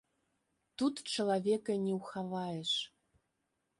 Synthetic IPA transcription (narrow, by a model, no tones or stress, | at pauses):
t̪ut̪t͡ɕɤ̆lɑβʲekĕnʲeuxɑβɑjeʃ